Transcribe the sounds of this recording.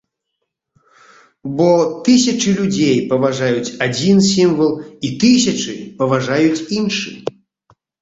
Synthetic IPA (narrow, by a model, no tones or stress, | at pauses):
bɔt̪ɨsʲɐt͡ʂɨlʲud͡zʲejpɐvaʐajut͡sʲad͡zʲinsʲimvɐlˠit̪ɨsʲɐt͡ʂɨpɐvaʐajut͡sʲinʂɨ̰